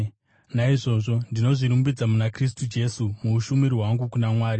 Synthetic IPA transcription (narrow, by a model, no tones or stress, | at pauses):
naiʐo̞ːʐo̞ndino̞ʐiɾumbid͡zamunakris̬tud͡ʒe̞sumuːʃumiɾiɦwaŋɡukunamwaːɾi